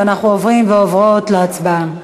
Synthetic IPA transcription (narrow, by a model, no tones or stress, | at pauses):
anaχnuovʁimveovʁotleat͡sba